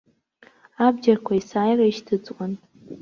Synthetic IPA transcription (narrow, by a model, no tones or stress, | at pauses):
abd͡ʒarkʷʰaisaːjraiʃtʰɨd͡zkʷʼʊn